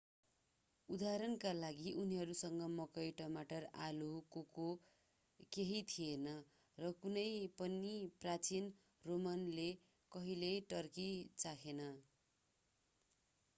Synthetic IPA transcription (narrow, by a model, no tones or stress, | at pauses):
ud̪aɾʌnkalaɡiʔuniɦʌɾusʌŋɡʌmʌkʌjʈʌmaʈʌralukoko | keɦit̪ʰienʌ | rʌkunʌjpʌniprat͡sin | romʌnle | kʌɦileʈʌrkit͡sakʰenʌ